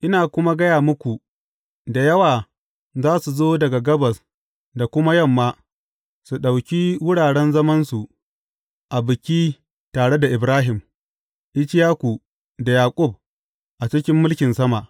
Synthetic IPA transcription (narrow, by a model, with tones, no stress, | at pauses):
ʔɪ˦naː˨kʷʊ˦ma˦ɡɐ˦jaː˨mʊ˦kʷu˨ | da˨jɐ˦waː˨ | zaː˦su˨zoː˦dɐ˨ɡa˨ɡɐ˦bɐ˨s | da˨kʷʊ˦ma˦jɐ˦˨mːaː˦ | su˨ɗa˨wkʲiː˦wʊ˦ɽaː˨ɽɛ˦nzɐ˦mɐ˦nsu˨ʔ | ʔa˨bɪ˨kʲiː˦ | taː˨ɽe˦da˨ʔɪ˨bɾaː˦ɦɪ˨m | ʔɪ˦t͡ʃɪ˦jaː˦kʷu˨ | da˨jaː˨kʷʼʊ˦˨b̚ | ʔa˨t͡ʃɪ˦kʲɪ˦mːʊ˦lkʲɪ˨nsɐ˦ma˨ʔ